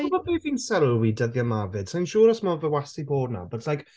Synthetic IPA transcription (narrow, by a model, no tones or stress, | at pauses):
ɔbɔbʰeːviːnsɛɾəwidəðjamavɪd̥saj̃nʃuːɾɔsmɔvəwasiboːdna̰bətʰlˠajk